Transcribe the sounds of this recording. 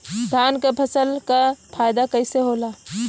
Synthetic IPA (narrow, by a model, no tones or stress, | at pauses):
d̪ʱaːnkepʰəsəlkapʰaːjd̪akəɪseɦoːla